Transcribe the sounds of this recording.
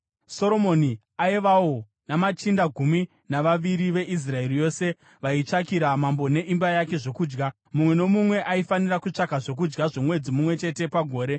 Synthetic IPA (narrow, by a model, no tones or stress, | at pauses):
so̞ɾo̞mo̞ni | aiʋawo | namat͡ʃindaɡʱumi | naʋaʋiɾiʋe̞ʔis̬rae̞rijo̞se̞ | ʋait͡ʂakiɾamambo̞ne̞ʔimbajake̞ʐo̞kuːd͡ʒɡa | mumwe̞no̞mumwe̞ʔaifanirakut͡ʂakaʐo̞k̬ud͡ʒɡaʐo̞mwe̞d͡zimumwe̞t͡ʃe̞te̞paɡʱo̞ːɾe̞